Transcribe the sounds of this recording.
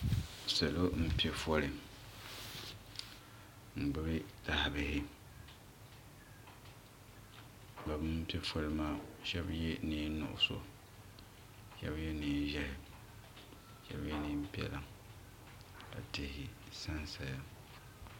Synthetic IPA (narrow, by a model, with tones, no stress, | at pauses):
sa˨lo˦m̩˦pi˦ɛ˦fɔ˦lɪ˨ | ŋ͡m̩˨ɡ͡bɨ˦bɪ˦ta˦hbɪ˨hɪ˦˨ | ba˨bɨ˦m˦pi˦e˦fɔ˦lɨ˦maː˦˨ʃɛ˦bje˦ni˦nʊ̰˨ʔʊ̰˨so̰˨ | ʃɛ̰˦bjɛ˦niː˨˦ʒɛ˦hɪ˨ | ʃɛ̰˦bje˦ni˦m̩˦pi˦ɛ̰˨la˨ | ka̰˨te˦hɪ˨ | sa˦nsa˨ja˨